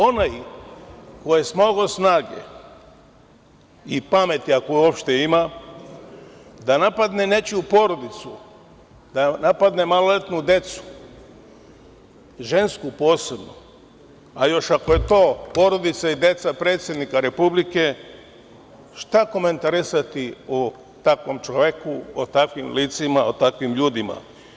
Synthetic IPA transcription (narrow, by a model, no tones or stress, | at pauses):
o̞naj | kojesmoɡosnaːɡḛ | ipame̞t̪iakouopʃt̪eima | d̪anapad̪ne̞ne̞t͡ɕupo̞ɾo̞d̪it̪su | d̪anapad̪ne̞malolet̪nud̪e̞t̪su̥ | ʒe̞nskupo̞ːse̞bno | ajo̞ʃako̞je̞t̪o̞ːpo̞ɾo̞d̪it̪said̪e̞t̪sapɾe̞ːt̪sjed̪nikaɾe̞publike̞ | ʃt̪ako̞ment̪aɾisat̪io | t̪akʋo̞mt͡ʃoʋekuot̪akʋimliːt̪simaot̪akʋimʎuːd̪ima̰